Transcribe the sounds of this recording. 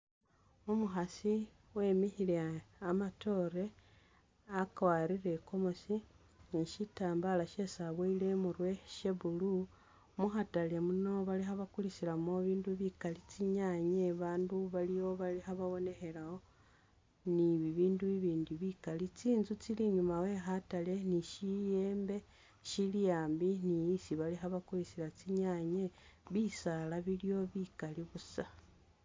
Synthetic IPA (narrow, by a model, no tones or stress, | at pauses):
omuxasi | we̞mihileamato̞ɾe̞ | akwaɾiɾe̞ko̞mo̞si | ʃitaːmbalaʃe̞saβweile̞muɾweʃeβulu | muxatalemuno̞βalixaβakulisilamo̞βiːnduβikalit͡siɲaɲeβaːnduβalijo̞βalixaβaβo̞ne̞xe̞lao | niβiβiːnduβiβiːndiβikalit͡siːnzut͡siliɲumawe̞xatale̞niʃije̞ːmbe̞ | ʃilijaːmbinijːsiβaliɦaβakulisilat͡siɲaɲe̞βisalaβilijo̞βikaliβusa